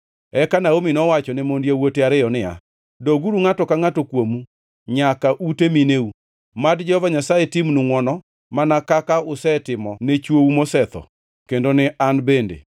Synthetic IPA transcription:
ɛkanaominɔwat͡ʃɔnɛmondjawoteaɾɪjɔnɪa̰ | doɡuɾuŋatɔkaŋatokwomu | ɲakaʔutemineu | madd͡ʒɛhɔvaɲasajetimnuŋwɔnɔ | manakakaʊsɛtɪmɔnet͡ʃwoumosɛt̪ɔ̰ | kendonɪʔanbendḛ

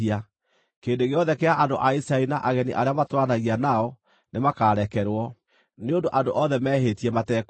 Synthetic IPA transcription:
ia | keːndoɣeɔðɛkeaʔando̰ʔaisainaʔaɣɛniʔaɾeamatwanaɣianaɔ | nemakaːɾɛkɛɾwɔ | neondoʔandoʔɔðɛmɛːɦetiɛmatɛk

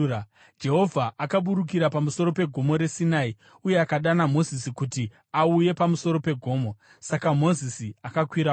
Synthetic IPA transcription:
d͡ʒe̞ɦo̞vʱaʔakaɓuɾuk̬iɾapamuso̞ɾo̞pe̞ɡʱo̞mo̞ɾe̞sinaːi | uje̞akaɗanamo̞zisikuti | auje̞pamuso̞ɾo̞pe̞ɡʱo̞ːmo̞ | sakamo̞zisiakakwiɾa

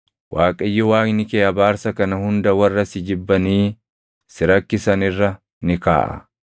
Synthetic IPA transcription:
wʔaːkʼɐjːʊwaːknɪkeːɐbaːɾsɐkɐnɐhʊnd̪ɐwɐrːɐsɪd͡ʒɪbːɐniː | sɪɾɐkːɪsɐnɪrːɐ | nɪka̰ːʔɐ̰

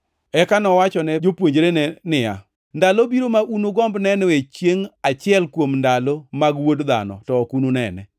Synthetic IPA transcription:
ɛkanɔwat͡ʃɔnɛd͡ʒopwoɲd͡ʒɾenɛnɪja̰ | ndalobiɾomaʔunoɡɔmbnɛnɛwet͡ʃjeŋat͡ʃɪɛlkwomndalomaɡwodd̪a̰nɔ̰tɔːkunonɛ̰nɛ̰

